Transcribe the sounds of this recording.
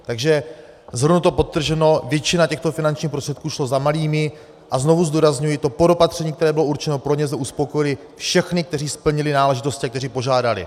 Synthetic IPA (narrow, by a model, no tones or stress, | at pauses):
t̪aɡʒɛ | zɦl̩dnut̪o̞po̞t̪ːr̩ʒɛno̞vjɛt͡ʃɪnacɛxt̪o̞fɪnant͡ʃɲiːxpɾost̪r̥ɛt̪̚kuːʃlo̞zamaliːmɪ | ʔazno̞vuzd̪uːɾazɲujɪt̪o̞po̞do̞pat̪r̥ɛɲiːkt̪ɛɾɛːbɪlo̞ʔuɾt͡ʃɛno̞pɾo̞ɲɛzmɛʔuspo̞ko̞jɪlɪ | fʃɛxnɪk̚t̪ɛr̝iːspl̩ɲɪlɪnaːlɛʒɪt̪o̞scɪakt̪ɛriːpo̞ʒaːdalɪ̰